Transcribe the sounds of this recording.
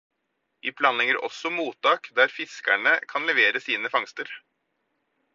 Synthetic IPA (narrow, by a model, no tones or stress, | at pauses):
ɪpʰlɑːnlɛɡəɾɔ̰sːɔmuːt̪ːɑːkd̪æɾfɪskæɳəkʰɑnlɛʋeːɾəsiːnəfɑŋst̪əɾ